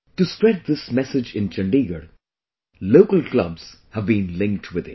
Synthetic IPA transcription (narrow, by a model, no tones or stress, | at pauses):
ʈuspɹɛʈ̚d̪ɪsmɛsɪd͡ʒɪ̃nt͡ʃə̃ɳɖiɡəɾ | loʊkəlklʌ̰bz̥ | həvbĩːnlɪ̃ŋk̚ʈʰwɪd̪ɪ̰̃